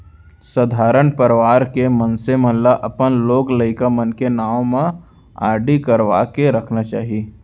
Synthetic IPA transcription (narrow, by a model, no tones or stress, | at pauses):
səd̪ʱaːɾənpəɾʋaːɾkemənsemɐ̃nlaʔɐpənloːɡləɪkamənkenaːõmẽ | a̰ːɖikəɾʋaːkeɾɐkʰnat͡ʃaːɦie